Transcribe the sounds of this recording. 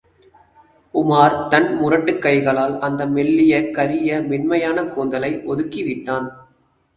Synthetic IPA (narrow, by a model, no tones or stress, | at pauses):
ʊmaːɾt̪ɐnmʊɾɐʈːɯkːɐɪɣɐɭaːlɐnd̪ɐmɛɭːɪjɐkːɐɾɪjɐmɪnmɐjaːnɐkoːnd̪ɐlɐɪʔɔðɯkːiʋɪʈːaːn